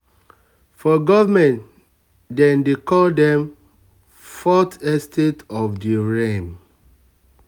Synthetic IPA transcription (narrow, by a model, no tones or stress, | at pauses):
fɔɡɔvamɛ̃n | dɛ̃ndekɔldɛ̃m | fɔtɛstʰetɔfdiɹẽm